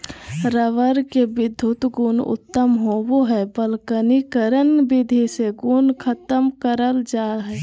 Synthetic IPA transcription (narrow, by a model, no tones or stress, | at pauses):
ɾəʋəɾkebɪd̪ʱːʊt̪ɡuːnʊ̰t̪ːəmɦowoɦɛbəlkənikəɾənbɪd̪ʱiseɡunkʰət̪əmkəɾəld͡ʒaːɦɛ